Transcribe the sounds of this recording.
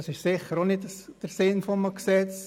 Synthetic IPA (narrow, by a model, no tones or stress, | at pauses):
ɑsɪʃsɪχəɾonɪtəsd̥əɾsɪnfɔməksɛt͡s